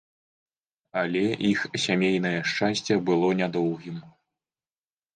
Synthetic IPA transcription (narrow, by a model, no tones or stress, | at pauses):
ɐlʲɛʔixsʲamʲejn̪ɐjɛʂt͡ʂasʲt͡sʲɛbɨlˠɔnʲad̪ɔwɣʲim